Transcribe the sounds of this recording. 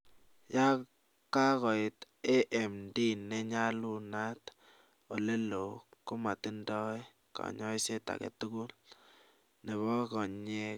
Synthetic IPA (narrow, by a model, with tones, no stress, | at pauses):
ja˦ | ka˦kɔ˨ɪ˨t | e˦ʔɛ˨mdi˦nːɛ˦ɲa˦lu˦na˦t | o˨le˦lo˨kʊ˦ma˨ti˦ndɔ˦j | kɔ̰˨ɲɔ˦i˦se˦ta̰˨kḛ˨tu˦ku˦l | ne˨βɔ˦kɔ˨ɲe˦